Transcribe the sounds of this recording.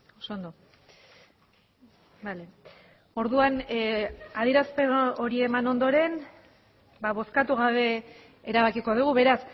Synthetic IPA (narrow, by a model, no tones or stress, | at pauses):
osond̪o | bale | o̞ɾðuan | aðiɾaspe̞oɾie̞mano̞nd̪o̞ɾe̞n | baβo̞skat̪uɣ̞aβe̞ | eɾaβ̞akiko̞ð̞uɣ̞uβe̞ɾas